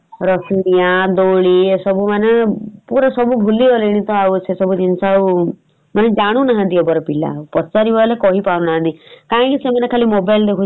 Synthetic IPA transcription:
ɾɔsunijad̪oɭiesɔbumanepuɾɔsɔbubʱuliɔleiɽ̃it̪ɔawsesɔbud͡ʒinsaw | maned͡ʒaɽ̃ũnaɦãd̪iɔbɔɾɔpila̰upɔt͡ʃaɾibalekɔɦipaɾnaɦãd̪ikãːkisemanekʰalimobajld̪ekʰu

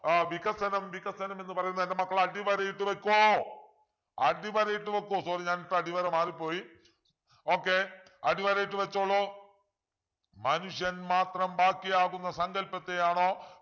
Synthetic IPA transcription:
ʋikɐsɐnɐmʋikɐsɐnɐme̞nːɨpɐrɐjunːɐindemɐkːɐɭɐɽiʋɐɾɐjiʈːɨʋekʲːuoː | ɐɖiʋɐɾɐjiʈːɨʋekʲːuoːsoːriɲaːniʈːɨɐɽiʋɐɾɐmaːripːo̞ːji | o̞ːkːe̞ɐɽiʋɐɾɐjiʈːɨʋet͡ɕːoɭːoː | mɐnuʂjɐnmaːt̪rɐmbaːkːijaːɣunːɐsɐŋɡɐlpːɐt̪ːejaːɳoː

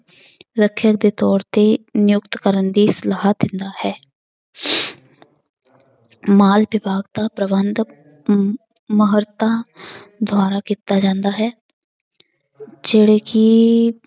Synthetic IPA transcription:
ɾəkʰːjək̚d̪eːt̪ɔːɾt̪eːnɪjʊkt̪kəɾənd̪iːsəlaːɦd̪ɪnd̪aːhɛː | maːlbɪbʱaːɡd̪aːpɾəbənd̪ | məɦəɾt̪ãːd̪ʱʊaːɾaːkiːt̪aːd͡ʒãːnd̪aːɦɛː | d͡ʒeːɽeːkɪ

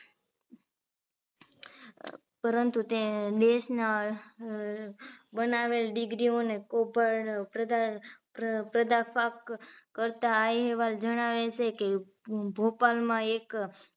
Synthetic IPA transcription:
pəɾənt̪ut̪ed̪eʃna | bənaʋelɖɪɡɾionekobaɭa | pɾəd̪afʰakːəɾt̪aːjɦeʋald͡ʒəɽ̃aʋet͡ʃʰeke | bʱopalmãek

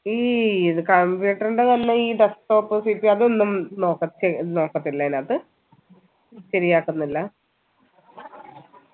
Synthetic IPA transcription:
iːiðɨkɐmbjuːʈːɐɾɳɖet̪ɐnːe̞iːɖesʈo̞ːpːɨsipːiɐðonːumno̞ːkːɐt̪ːeno̞ːkːɐt̪ːilːɐnɐðɨ | ɕɐɾijaːkːunːilːɐ

